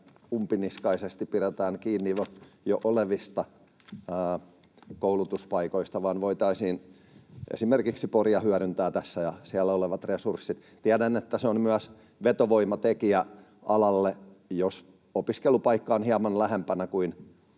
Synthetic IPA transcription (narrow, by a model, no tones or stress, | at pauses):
umpiniskɑisest̪ipiret̪æːŋkiːnːiojoʔoleʋist̪ɑ | əː | koulut̪uspɑikoist̪ɑʋɑːnʋoit̪ɑisiːn | ʔḛsimerkiksiporjɑhyæɾynt̪æːt̪æsːæjɑsiælːæoleʋɑt̪resursːit̪ | t̪iædænːet̪ːæseonmyæs | ʋet̪oʋoimɑt̪ekiæ | ɑlɑlːe | jos | opiskelupɑikːɑːnhiɑmɑnlæhempænækuin